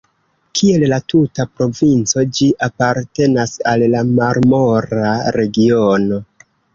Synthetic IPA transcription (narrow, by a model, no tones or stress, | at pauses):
kʰie̞llatutapɾo̞vint͡so̞d͡ʒiʔapaɾte̞nasallamaɾmoɾaɾe̞ɡio̞no̞